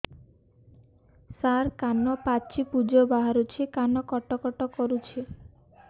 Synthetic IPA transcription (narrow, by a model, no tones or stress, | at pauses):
saɾkanɔpat͡ʃʰipud͡ʒɔbaɦaɾut͡ʃʰekanɔkɔʈɔkɔʈɔkɔɾut͡ʃʰe